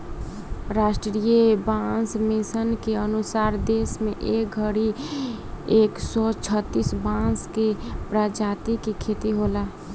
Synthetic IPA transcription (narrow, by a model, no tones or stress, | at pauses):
ɾaːsʈɾɾijəbãsmisənkeənusaːɾd̪esmẽʔeːk̚ɡʱəɽi | eːksɔt͡ʃʰət̪ːisbãskepɾad͡ʒat̪ikikʰeːt̪iɦola